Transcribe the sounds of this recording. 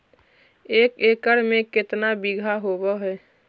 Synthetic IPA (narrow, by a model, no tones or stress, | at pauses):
eːkeːkəɽmẽkɪt̪nabiɡʱaɦobəɦɛː